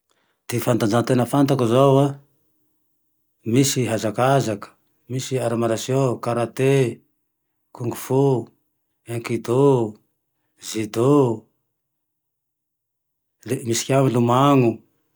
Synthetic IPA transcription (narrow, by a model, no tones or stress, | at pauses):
d̪̥efant̪and͡zant̪enəfant̪akuzowa | misiɦazakazakə̥ | misiaɾamaɾasjokaɾat̪e | kuŋɡufu | eŋkid̪o | zid̪o | lemisi̥kʲamilumaŋu